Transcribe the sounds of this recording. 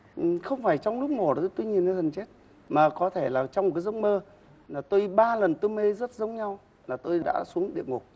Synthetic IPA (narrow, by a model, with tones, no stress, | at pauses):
ʔxə˧wŋ͡mfaː˧˩jt͡ɕɔ˧wŋ͡mlʊ˦˥k͡p̚mo˨˩o˨˦t̪o˧jɲi˨˩nə˧hə˨˩nt͡ɕe˦˥t̚ | maː˨˩kɔ˨˦t̪ʰe˧˩laː˨˩t͡ɕɔ˧wŋ͡mkaː˨˦jzə˨˦wŋ͡mməː˧ | laː˨˩t̪o˧jɓaː˧lə˨˩nt̪o˧jme˧zə˦˥t̚zə˨˦wŋ͡mɲa˧w | laː˨˩t̪o˧jɗa̰ː˧˥su˨˦əŋɗḭ˧˨əŋo˨˩k̚